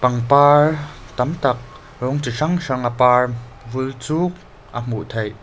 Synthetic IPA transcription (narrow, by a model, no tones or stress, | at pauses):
pɐŋpaːɹt̪ɐmt̪ɐk̚ | rɔŋt͡siʂaŋʂaŋapaːɹvult͡suk̚ | ʔam̥uʔt̪ʰej